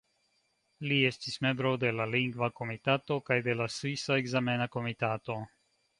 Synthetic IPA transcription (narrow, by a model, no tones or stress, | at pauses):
lie̞stisme̞mbɾod̪e̞laliŋɡvako̞mit̪at̪o̞kajd̪e̞lasvisaeɡzamenako̞mit̪at̪o̞